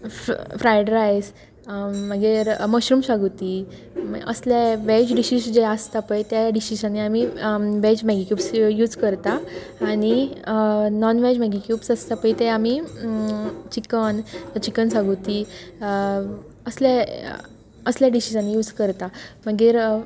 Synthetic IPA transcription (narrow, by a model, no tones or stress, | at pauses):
fɾajɖɾajs | məɡeɾməɕɾuːmɕaɡut̪i | m̰ə̰sljaʋɛt͡ɕɖiɕiːsd͡ʑɛast̪apəjt̪aɖiɕisaniamiʋɛt͡ɕmɛɡikjuːpsjuːd͡zkəɾt̪aːɽ̃i | nɔnʋɛd͡ʑmɛɡikjuːpsəst̪apəjt̪ɛami | t͡ɕikənt͡ɕikənsaɡut̪i | əslje | əsljaɖiɕisanijuːd͡zkəɾt̪amaɡiɾ